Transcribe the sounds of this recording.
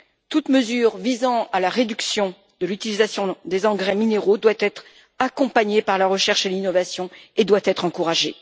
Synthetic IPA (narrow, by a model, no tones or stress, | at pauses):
t̪ut̪məzyʁvizɑ̃alaʁed̪yksjɔ̃ | d̪əlyt̪ilizasjɔ̃d̪ezɑ̃ɡʁɛmineʁod̪wat̪ɛt̪χ | akɔ̃paɲepaʁlaʁəʃɛʁʃelinɔvasjɔ̃ed̪wat̪ɛt̪χɑ̃kuʁaʒe